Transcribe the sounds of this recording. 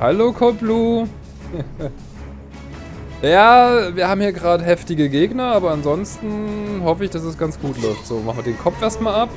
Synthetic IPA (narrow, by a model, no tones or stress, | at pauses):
halokʰɔbluː | jaːviːɐhaːbm̩hiːɐɡʁaːdəɦɛftɪɡəɡeːɡnɐʔaːbɐanzɔnstn̩hɔfəɪçd̥asɛsɡ̥ant͡sɡ̥uːtlɔʏftz̥oːmaχn̩viɐədeːnkʰɔfʔeːɐstmaːlap̚